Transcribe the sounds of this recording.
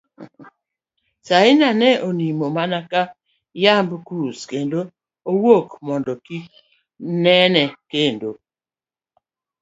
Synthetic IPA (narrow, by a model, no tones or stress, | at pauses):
saɪnanɛʔonimomanaka | jambkuskendo | owokmɔndɔki | nɛnɛkendo